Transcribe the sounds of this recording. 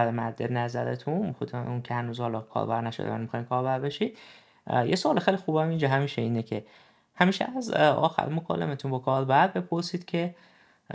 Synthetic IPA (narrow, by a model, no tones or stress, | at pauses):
æɾemæɾd̪enæzæɾḛt̪ʰunxod̪uncʰehænuːzhɒlɒkʰɒ̰ːɾbæɾnæʃod̪̰æ̰nmixɒːjimkʰɒːɾbæɾbeʃid̪̥̚ | jesoɒːlexejlixuːbhæmind͡ʒɒɦæmiːʃeiːnecʰe | hæmiːʃeæzɒ̰ːxæ̰ɾimokʰɒ̰ːlːḛmet̪ʰunbɒkʰɒːɾbæɾ̚be̞pʰoɾsiːd̪̥cʰe